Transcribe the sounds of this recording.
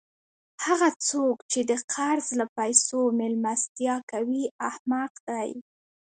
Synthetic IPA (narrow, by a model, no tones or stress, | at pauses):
haɣat͡sokt͡ʃed̪əqʰaɾzlapajsomɪlmast̪jɑkawiahmaqd̪̥aj